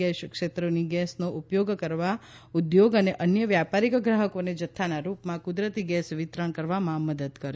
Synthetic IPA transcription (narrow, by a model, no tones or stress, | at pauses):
ɛʃkʃet̪ɾoniɡɛsnoʔupjoɡkəɾʋa | ud̪joɡəneʔənjəʋjapaɾikɡɾaɦəkoned͡ʒət̪ʰːanaɾupmãkud̪ɾət̪iɡɛsʋɪt̪ɾəɳkəɾʋamãməd̪əd̪kəɾe